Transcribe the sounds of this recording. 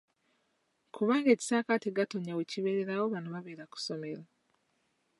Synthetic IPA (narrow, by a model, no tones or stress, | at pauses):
kʰuβaːŋɡe̞ːci̥saːkateɡatoɲaweciβeɾeɾawo̞βanoβaβeːɾaku̥so̞me̞ɾa